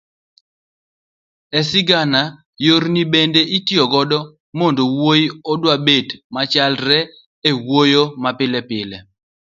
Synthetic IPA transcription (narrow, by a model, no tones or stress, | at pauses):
ɛsɪɡana | joɾnibendeʔitiɔɡɔdɔ | mondowojɔdwabedmat͡ʃalɾɛ | ewojomapɪlɛpɪlɛ